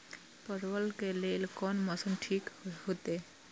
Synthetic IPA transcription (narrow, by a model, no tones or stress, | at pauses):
pəɾʋəlkeleːlkɔːnməsənʈʰiːkɦot̪e